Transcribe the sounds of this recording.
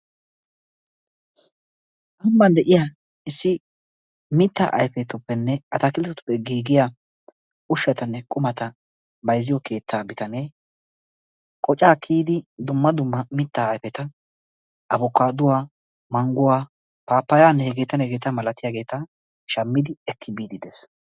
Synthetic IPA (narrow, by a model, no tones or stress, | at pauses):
ʔɐmːɐnd̪ɛʔɪjaː | ɪsːɪ | mɪt̪ːa̰ʔɐ̰jfɛt̪ʊpːɛnːɛʔɐt̪ɐkɪlt̪ɛt̪ʊ̥pːɛɡiːɡɪja | ʔʊʃːɐt̪ɐnːɛkʼʊmɐt̪ɐ | bɐjzːɪjɔkʰe̞ːt̪ʰːaːbɪt̪ɐneː | kʼɔt͡ʃʼaːkʰiːd̪ɪd̪ʊmːɐd̪ʊmːɐmɪt̪ːaːjfɛt̪ɐ | ʔɐbɔkːaːd̪ʊwaː | mɐŋɡʊwaː | paːpːɐjaːnːɛhɛɡeːt̪ɐnɛɡeːt̪ɐmɐlɐt̪ɪjaːɡe̞ːt̪ɐ | ʃɐmːɪd̪ɪɛkʰːɪbiːd̪ɪd̪ɛs